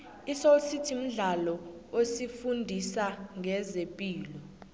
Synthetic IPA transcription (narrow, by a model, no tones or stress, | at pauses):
isositʰim̩ɮalɔosifundʱisaŋʱɛzepʼiːlɔ